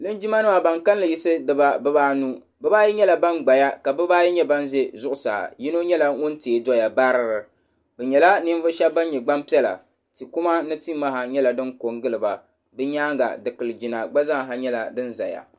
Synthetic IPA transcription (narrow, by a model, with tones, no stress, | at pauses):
lɨ˦nd͡ʒi˦ma˦nɨ˦wa˨ba˨ŋka˦n˦lɨ˨ji˦sɨ˦dɨ˦˨ba˦bɨ˦baː˦nu˦ | bɛ˦baː˦ji˦ɲɛ˦la˨ba˦nɡ͡ba˨ja˦ka˨bɨ˦baː˦ji˦ɲɛ˦ba˦nze˦zʊ˦ʔʊ˨sa̰˨ji˦no˦ɲɛ˦la˦ŋʊ˦nteː˨dɔ˦ja˨ba˦ɾɨ˦ɾɨ˨ | bɛ˨ɲɛ˨la˦ni˦n˦vɨ˦ʃɛ˦bba˦n˦ɲɛ˨ɡ͡ba˦mpi˦ɛ˦la̰˨ | ti˨ku˦ma˦nɨ˦ti˦ma˦ɦa˨ɲɛ˦la˨dɨ˦ŋko˨ŋɡɨ˦lɨ˨ba˨ | bɨ˦ɲaː˦ŋɡa̰˨dɨ˨kɨ˨lɨ˨d͡ʒi˨na˨ɡ͡ba˦za˦ŋ˨ɦa˨ɲɛ˦la˨dɨ˦nza̰˨ja̰˨